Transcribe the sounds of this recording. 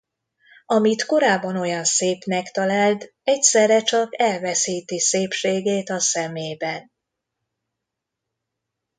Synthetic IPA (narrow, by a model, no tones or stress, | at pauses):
ɒmit̪ko̞ɾaːbːɒno̞jɒnseːpnɛkt̪ɒlaːlt̪ | ɛcsɛrːɛt͡ʃɒkɛlvɛsiːt̪iseːpʃeːɡeːt̪ɒsɛmeːbɛn